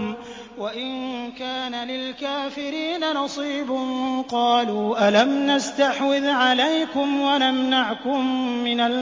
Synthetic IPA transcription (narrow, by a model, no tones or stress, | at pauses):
m | waʔɪnkaːnalɪlkaːfɪɾiːnanɑsˤiːbʊnqɑːluːʔalamnast̪aħwɪðʕalajkʊmwalamnaʕkʊmːɪnal